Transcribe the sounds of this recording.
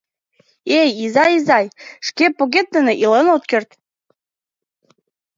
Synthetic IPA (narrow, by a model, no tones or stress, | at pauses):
ejizɑjizɑjʃkepoɣet̪ːə̆nĕʔilənot̪̚kørt̪